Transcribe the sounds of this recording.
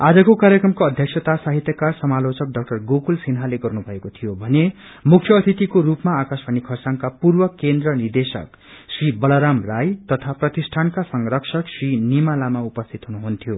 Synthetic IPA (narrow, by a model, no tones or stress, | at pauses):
ad͡zʌkokaɾjʌkɾʌmkoʌd̪ʱjʌksʰʌt̪asaɦit̪jʌkarsʌmalot͡sʌk̚ɖʌk̚ʈʌrɡokulsinɦaleɡʌrnubʱʌekot̪ʰijobʱʌne | mukʰjʌːst̪ʰit̪ikoɾupmaːkasbʱʌnikʰʌrsaŋkapurbʌkend̪rʌnird̪esʌ̰k | sribʌlʌɾamrajt̪ʌt̪ʰaprʌt̪isʈʰankasʌŋrʌksʰʌksrinimalamaupʌst̪ʰit̪ɦunuɦunt̪ʰjo